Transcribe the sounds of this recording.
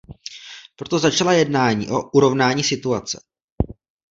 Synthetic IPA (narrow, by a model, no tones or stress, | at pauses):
pɾo̞t̪o̞zat͡ʃalajɛdnaːɲḭːʔo̞ʔuɾo̞vnaːɲiːsɪt̪uat͡sɛ̰